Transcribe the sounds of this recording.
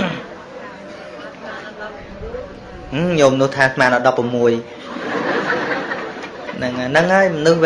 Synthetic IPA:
ɲoːmənuəht̪ʰaːsmaːnəɗɑpːramːuəj | nɨŋnɨŋhaəjmənɨhʋ

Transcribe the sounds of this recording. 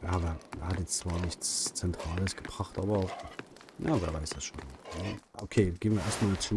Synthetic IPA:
jaːveːɐeːhatjɛt͡st͡sv̥aːɐnɪçt͡st͡sɛntʁ̥aːləsɡ̥əb̥ʁaχtʔaːbɐ | jaːveːɐvaɪsd̥asʃo̰ːnajaʔokʰeːɡeːənviːɐeːɐstmaːlt͡suː

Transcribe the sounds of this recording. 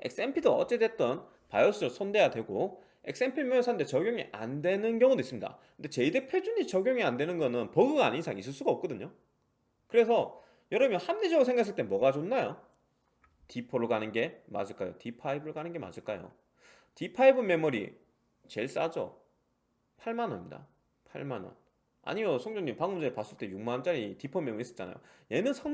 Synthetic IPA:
e̞̰k̚s͈empʰidoʌ̰t͡ɕ͈edwe̞t̚t͈ʌn | pajos͈uosʰʌnde̞jadwe̞ɡo | e̞k̚s͈e̞mpʰiɭmojsʰandet͡ɕʌɡjoŋiʔandwe̞nɯnɡjʌŋodois͈ɯmɲida̰kɯnde̞t͡ɕeidepʰed͡ʑuɲit͡ɕʌɡjoŋiandwe̞nɯnɡʌnɯnpʌɡɯɡa̰ɲinsʰaŋis͈ɯɭs͈uɡaʌp̚k͈ʌdɯɲo | kɯɾe̞sʰʌ | jʌɾʌɯmjʌnhamnid͡ʑʌɡɾosʰe̞ŋɡakʰes̬͈ɯɭt͈emwʌɡad͡ʑonːajo | tipʰʌɾokanɯnɡe̞ma̰ɕʰɯɭk͈ajo̰tipʰaibɯɾokanɯnɡe̞ma̰ɕʰɯɭk͈ajo̰ | tipʰaibɯme̞muɾḭ | t͡ɕe̞ɭs͈a̰d͡ʑo̰ | pʰaɭmanɦʌnmɲida̰ | pʰa̰ɭmanʌ̰n | a̰ɲimjʌsʰʌŋd͡ʑoŋɲimpaŋmund͡ʑepas͈ɯɭt͈e̞juŋmant͡ɕ͈aɾitipʰʌme̞muɾis͈ʌ̥t͡ɕ͈ana̰jo̰je̞nɯnsʰʌŋ

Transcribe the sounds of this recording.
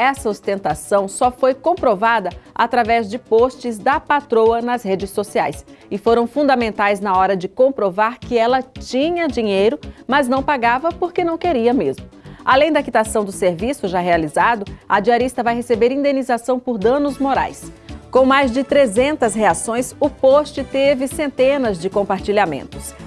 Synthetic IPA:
ɛsɐost̪ẽnt̪asɐ̃w̃sɔfojkõpɾovad̪ɐat̪ɾavɛzd͡ʒɪpost͡ʃɪzd̪ɐpat̪ɾowɐnɐzɦed͡ʒɪsːosia̰jsɪfoɾɐ̃w̃fũnd̪ɐmẽnt̪ajznɐɔɾɐd͡ʒɪkõpɾovaɾkɪɛlɐt͡ʃĩɲɐd͡ʒĩɲejɾʊmɐznɐ̃w̃paɡavɐpoɾkenɐ̃w̃keɾiɐmezmʊalẽj̃d̪ɐakit̪asɐ̃w̃d̪ʊseɾvisʊʒaɦealizad̪ʊɐd͡ʒiaɾist̪ɐvajɦesebeɾĩnd̪ẽnizasɐ̃w̃pʊɾd̪ɐ̃nʊzmoɾa̰jskõw̃majzd͡ʒɪt̪ɾezẽnt̪ɐsheasõj̃sʊpost͡ʃɪt̪evɪsẽnt̪ẽnɐzd͡ʒɪkõpaɾt͡ʃiʎamḛ̃nt̪ʊs

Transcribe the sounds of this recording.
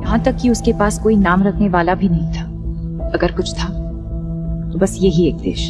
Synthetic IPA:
jɐɦãt̪ɐkːiʊskepaːskoːinaːmɾɐkʰneʋaːlabʱinɐɦĩt̪ʰaː | ɐɡəɾkʊt͡ʃʰt̪ʰaː | t̪obɐsjeɦieːk̚d̪ḛːʃ

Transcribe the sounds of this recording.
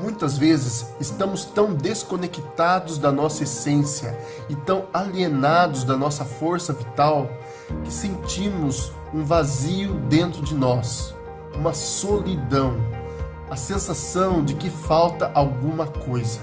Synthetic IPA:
mũj̃t̪ɐzvezɪzɪst̪ɐ̃mʊst̪ɐ̃w̃d̪eskonekit̪ad̪ʊzd̪ɐnɔsɐesẽsjɐ̰ | ɪt̪ɐ̃w̃alienad̪ʊzd̪ɐnɔsɐfoɾsɐvit̪aw | kɪ̥sẽnt͡ʃĩmʊz | ũvaziʊd̪ẽnt̪ɾʊd͡ʒɪnɔs | ũmɐsolid̪ɐ̃w̃ | ɐsẽsasɐ̃w̃d͡ʒɪkɪfawt̪ɐʔawɡũmɐkojzɐ

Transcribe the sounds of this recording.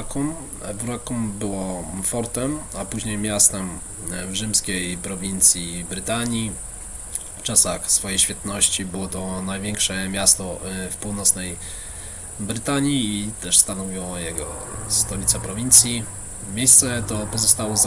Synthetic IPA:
kum | buɾakumbɘwɔfɔɾt̪ɛmapuʑɲejmʲjast̪ɛm | vʐɘmskʲejpɾɔvʲint̪sʲjibɾɘt̪aɲi | ft͡ʂasaxsfɔjejɕfʲjat̪nɔɕt͡ɕibɘwɔt̪ɔnajvʲjɛŋkʂɛmʲjast̪ɔfpuwnɔt̪snɛj | bɾɘt̪aɲiːt̪ɛʂst̪anɔvʲiwɔjɛɡɔ̰st̪ɔlʲit̪sɛpɾɔvʲint̪sʲji | mʲjejst̪sɛt̪ɔpɔzɔst̪awɔz

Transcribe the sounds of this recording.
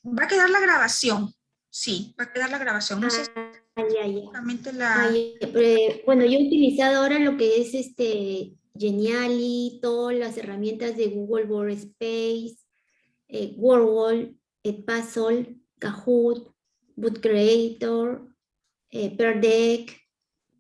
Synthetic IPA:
bakeðaɾlaɣɾaβasjo̞n | sibakeðaɾlaɣɾaβasjonae | jajaamẽnt̪elaajpbwe̞no̞ʝout̪ilisaðoaoɾalo̞ke̞ese̞st̪e | ʝenjalit̪oðolase̞ramje̞nt̪azðe̞ɣuɣelwoɾespejs | eɡwoɾwol | et̪̚pasol | kaxut̪̚ | but̪kɾeejt̪oɾ | epeɾd̪ek

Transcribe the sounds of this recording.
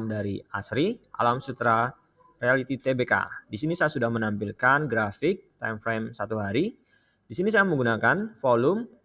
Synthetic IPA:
mdaɾḭasɾiʔa̰lamsut̪ɾa | realit̪it̪ebeka̰disinisajasudahmənampilkanɡɾafɪk̚t̪a̰jmfɾemsat̪uɦaɾi | disinis̬ajaməŋɡunakanfolʊm

